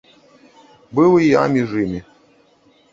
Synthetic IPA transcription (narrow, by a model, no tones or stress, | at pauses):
bɨlɨja̰mʲiʐɨmʲi